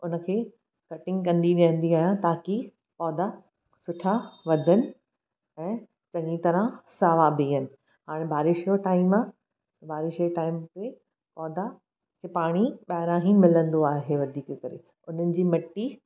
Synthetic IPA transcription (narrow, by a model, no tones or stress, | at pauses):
ʊnə̆kʰeː | kɐʈɪ̃ŋɡkɐ̃nd̪iɗiə̃n̆d̪iaːɦjãt̪aːki | pɔːd̪a | sʊʈʰaʋɐd̪ʱənɪ̆ | ɛ̃ː | t͡ɕɐ̃ŋɡit̪ɐɾãsaːʋabʱiːɦənɪ̆ | ɦaːɽ̃ẽbʱaːɾɪʃijoʈaːɪma | bʱaːɾɪʃoʈaːɪmt̪e | pɔːd̪a | kʰepaːɽ̃iɓaːɾãːɦĩmɪlə̃nd̪oaːɦeʋɐd̪ʱiːkəkɐɾḛ | ʊn̤ənɪ̆d͡ʑiːmɐʈːi